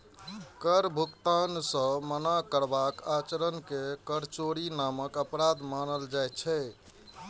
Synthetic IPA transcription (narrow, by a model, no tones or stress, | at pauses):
kəɾbʱukt̪ansə̃mənakəɾbakat͡ʃəɾənkekəɾt͡ʃoɾinaməkəpɾad̪manəld͡ʒajt͡ʃʰɛ